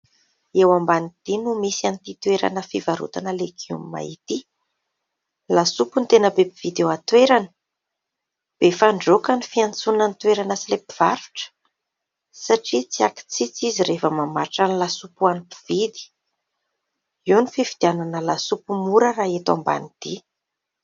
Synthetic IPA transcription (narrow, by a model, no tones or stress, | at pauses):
ewambanit̪inumisianit̪it̪weɾa̰nəfivaɾṵt̪anəleɡṵmma̰it̪i | lasupunt̪enəbepiv̥id̪ewat̪weɾanə̥ | b̥efaɳɖ͡ʐokanifiant͡sunanit̪weɾanəsilepi̥v̥aɾu̥ʈ͡ʂə̥ | saʈ͡ʂit͡siaki̥t͡sit͡siziɾefəmamaɾʈ͡ʂanilasupuanipiv̥id̪i̥ | iunifivid̪̥iananəlasupumuɾəɾaet̪a̰mba̰nid̪̥i